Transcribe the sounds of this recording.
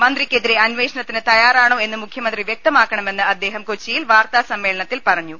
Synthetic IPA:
mɐnd̪rikʲːeðiɾeɐnʋeːʂɐɳɐt̪ːinɨt̪ɐjaːɾaːɳoːe̞nːɨmukʰjɐmɐnd̪riʋjek̚t̪ɐmaːkːɐɳɐme̞nːɨɐd̪ːe̞ːɦɐmkot͡ɕːijilʋaːrt̪aːsɐmːeːɭɐɳɐt̪ːilpɐrɐɲːu

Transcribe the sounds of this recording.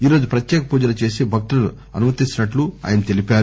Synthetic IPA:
iːɾo̞ːd͡ʒupɾɐt̪jɛːkɐpuːd͡ʒɐlɐt͡ʃe̞ːsibʱɐk̚ʈuɐnu | ɐ̰numɐt̪it͡ʃːinɐʈlua̰ːjɐnɐt̪e̞lipaːɾu

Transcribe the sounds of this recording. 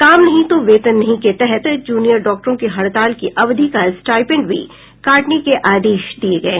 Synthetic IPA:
kaːmnɐɦĩt̪oʋeːt̪ənːɐɦĩket̪ɛɦət̪d͡ʒuːnijəɾɖɔːk̚ʈəɾõkeɦɐɽt̪aːlkiʔɐʋd̪ʱikasʈaːɪpɪ̃ɳɖbʱḭ | kaːʈnekeʔaːd̪eːʃd̪ieɡɐeː

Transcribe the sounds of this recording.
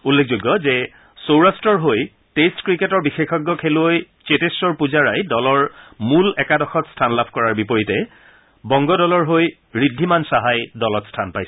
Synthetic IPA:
ulːek̚ʰzoɡːɔzɛ | sowɹastɹɔɹɦoj | testkɹiketɔɹbixexɔɡːɔkʰeloj | t͡ʃetesɔɹpuzaɹajdɔlɔɹmulɛkadɔxɔtstʰanlabʱkɔɹaɹbipɔɹitɛ | bɔŋɡɔdɔlɔɹɦoj | ɹidʱːimansaɦajdɔlɔtstʰanpajsɛ

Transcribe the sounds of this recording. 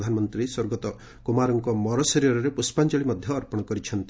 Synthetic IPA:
d̪ʱanɔmɔnt̪ɾisɔɾɡɔt̪ɔ | kumaɾɔŋkɔmɔɾɔsɔɾiɔɾɔɾepuspand͡ʒɔɭimɔd̪ʱjɔːɾpɔɽ̃ɔkɔɾit͡ʃʰɔnt̪i

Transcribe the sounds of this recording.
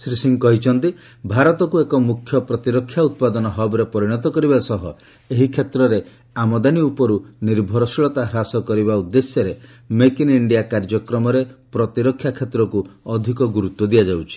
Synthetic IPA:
sɾisiŋkɔɦit͡ʃʰɔnt̪i | bʱaɾɔt̪ɔkuekɔmukʰjɔpɾɔt̪iɾɔkʰːjaut̪̚pad̪ɔnɔɦɔbɔɾepɔɾiɽ̃ɔt̪̬ɔkɔɾibasɔɦɔ | eɦikʰet̪ɾɔɾe | amɔd̪aniupɔɾuniɾbʱɔɾɔsiɭɔt̪aɦɾasɔkɔɾiβaud̪ːesjɔɾe | mekiniɳɖijakaɾd͡ʒɔkɾɔmɔɾepɾɔt̪iɾɔkʰːjakʰet̪ɾɔkuɔd̪ʱikɔɡuɾut̪ːwɔd̪ijad͡ʒawt͡ʃʰi̥

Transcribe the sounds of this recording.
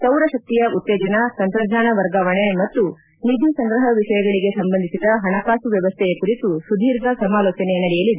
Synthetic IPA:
sɐwɾɐʃɐk̚t̪ijɐʔut̪ːeːd͡ʒɐnɐsɐmpɾɐd̪ʱaːnɐʋɐɾɡaːʋɐɳemɐt̪ːu | nid̪ʱjusɐŋɡɾɐɦɐʋiʃɐjɐɡɐɭiɡe̞sɐmbɐnd̪isid̪ɐɦɐnɐkaːsuʋjɐʋɐst̪ʰɛjekuɾit̪usud̪ʱiːɾd̪ʱɐsɐmaːlɔːt͡ʃɐnenɐɽɛjɐlid̪e

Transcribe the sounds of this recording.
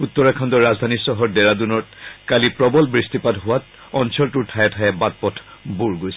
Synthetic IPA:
ut̪ːɔɹakʰandɔɹazdʱanisɔɦɔɹdɛɹadunɔtkalipɹɔbɔlbɹistipadɦʊwat | ɔnsɔltuɹtʰajɛtʰaɛbat̚pɔtʰbuɹɡojsɛ̥

